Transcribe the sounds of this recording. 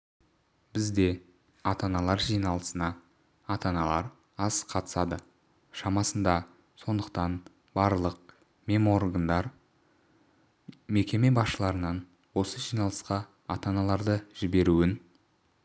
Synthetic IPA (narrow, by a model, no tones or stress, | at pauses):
b̥ɪzd̪e̞ | ɑt̪ɑnɑlˠɑɾʒijnɑlˠəsənɑ | ɑt̪ɑnɑlˠɑɾ | ɑsqʰɑt̪ə̥sɑd̪ə | ʃɑmɑsənd̪ɑ | so̞nd̪əqt̪ɑn | bɑɾlˠəq̚ | mʲe̞mo̞rɡand̪ɑɾ | me̞kʲe̞me̞bɑsʃəlˠɑɾənɑn | wo̞səʒijnɑlˠəsqɑ | ɑt̪ɑnɑlˠɑɾd̪əʒɪbe̞ɾuɪn